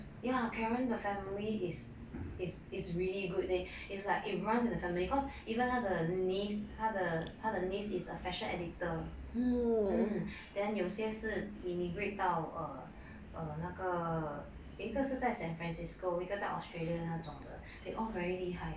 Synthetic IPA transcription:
jakʰɛɹə̃ndəfɛ̃miliɪs | ɪs | isɹiliɡut̚ɛ | islaɪkit̚ɹãnsĩndəfɛmilikɔs | ivə̃nhaʊdənishaʊdəhaʊdənisisəfɛʃə̃nɛditə | d̥ɛ̃njɔsiɛsəsimiɡɹet̚taʊə | ʔənakə | wikəsəsaɪsɛ̃nfɹɛ̃nsiskowikəsaɪʔɔ̰stɹeliə̃ad͡ʒɔ̰̃ŋdə̰ | deʔɔvɛɹiliɦaɪ

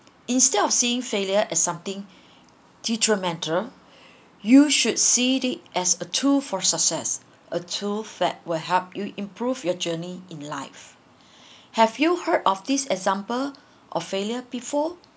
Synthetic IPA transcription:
ĩnstɛdɔfsiɪ̃ŋfeljəʔɛsːãmt̪ɪ̃ŋ | d̥itʰɹimɛ̃ntʰəl | juʃud̚sidit̚ʔɛsətʰulfɔsəksɛs | ʔətʰuldɛ̰t̚wɛɦɛp̚juʔĩmpʰɹuvjɔd͡ʒəniĩnlaɪf | hɛvjuhədɔfd̪isɛkzãmpəl | ʔɔ̰feljəbifɔ

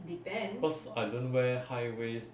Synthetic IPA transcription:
dipɛ̃nʌsaɪdõnwɛhajwez

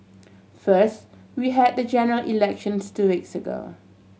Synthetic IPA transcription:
fəst | wiɦɛd̚dəd͡ʒɛnəɹəlʔḭlɛkʃə̃nstuwiksəɡo̰

